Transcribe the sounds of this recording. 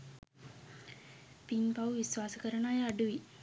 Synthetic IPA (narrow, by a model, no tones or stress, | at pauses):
pinpɐʋʋisʋaːsɐkəɾɐnaːjɐɖuʋi